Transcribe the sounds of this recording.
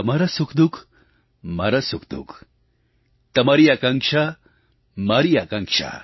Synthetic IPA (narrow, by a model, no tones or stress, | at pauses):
ɐmɐɾɐsukd̪uk | mɐ̰ɾɐsukd̪ṵk | t̪ɐmɐɾijɐkɐŋkʃʰa | mɐɾijɐkɐŋkʃʰa̰